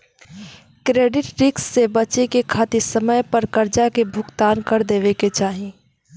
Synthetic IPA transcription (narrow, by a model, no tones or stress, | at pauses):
kɾeːɖɪʈɾɪksːebɐt͡ʃekekʰaːt̪ɪsəməjpəɾkɐɾd͡ʒakebʱʊɡt̪aːnkɐɾd̪eːʋeket͡ʃaːɦi